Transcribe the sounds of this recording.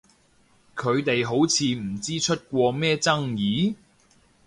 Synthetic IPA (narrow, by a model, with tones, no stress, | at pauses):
kʰɵ˨˧ɥt̪e˨jɦo˨˥wt͡sʰiː˨˧m̩˨˩t͡siː˥t͡ʃʰɵ˥t̚kʷɔː˧mɛː˥t͡sɐ˥ŋjiː˨˥